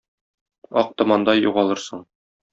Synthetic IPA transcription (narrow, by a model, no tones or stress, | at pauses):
ɒq̚t̪ɤ̆mɑnd̪ɑjuʁɑlˠɤɾsɤɴ